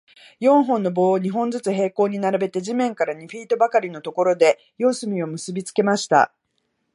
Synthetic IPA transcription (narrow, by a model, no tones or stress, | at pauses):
jõ̞ɰ̃ɦõ̞nːo̞bo̞ːɲ̟iɦõ̞nd͡zɨt͡sɨɦe̞ːko̞ːɲ̟inaɾabe̞t̪e̞ʑimẽ̞ŋkaɾaɲ̟iɸʲiːt̪o̞bakaɾʲino̞t̪o̞ko̞ɾo̞d̪e̞ | jo̞ːsɨmʲio̞mɯ̟sɨbʲit͡sɨ̥ke̞maɕi̥t̪a̰